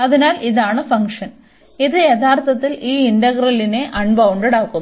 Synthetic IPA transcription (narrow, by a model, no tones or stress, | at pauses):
ɐðinaːlʔiðaːɳɨfɐŋkʂɐn | iðɨjet̪ʰaːrt̪ʰɐt̪ːiliːindɐɣrɐlːine̞ʔɐɳbɐwɳɖɐɽaːkːunː